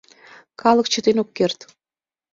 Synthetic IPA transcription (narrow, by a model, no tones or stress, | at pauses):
kɑlək̚t͡ɕə̆t̪enokːert̪